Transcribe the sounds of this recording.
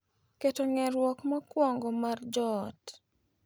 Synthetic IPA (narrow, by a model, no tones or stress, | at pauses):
ketoŋɛɾwɔkmakwɔŋɡɔmard͡ʒɔt